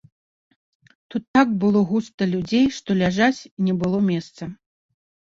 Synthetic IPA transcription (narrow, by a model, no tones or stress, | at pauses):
t̪ut̪ːaɡbɨlˠɔɣust̪ɐlʲud͡zʲejʂt̪ɔlʲaʐat͡sʲnʲɛbɨlˠɔmʲɛst̪sɐ